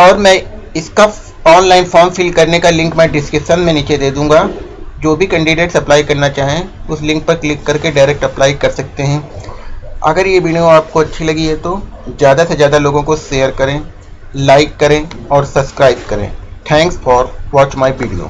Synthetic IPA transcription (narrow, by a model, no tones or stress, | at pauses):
ɔːɾmɛ̃ː | ɪska | ɔːnlaːɪnfɔːmfɪlkɐɾnekalɪ̃ŋkmẽɖɪskɪʃənmẽniːt͡ʃed̪eːd̪ũːŋɡa | d͡ʒoːbʱikɐ̃ɳɖiɖeːʈsɐplaːɪkɐɾnat͡ʃaːɦiẽʊslɪ̃ŋk̚pɐɾklɪkːɐɾkeɖaːɪɾɛːk̚ʈɐplaːɪkɐɾsɐk̚t̪eɦɛ̃ | ɐ̰ɡəɾjeʋiːɳijoaːp̚koɐtːʃʰilɐɡiɦɛt̪o | zjaːd̪asezjaːd̪aloːɡõkoʃeːəɾkɐɾẽː | laːɪkːɐɾẽɔːɾsɐbskɾaːɪb̚kɐɾḛ̃ːʈʰɛ̃ːŋksfɔːɾʋɔːt͡ʃmaːiʋiːɖijo̰ː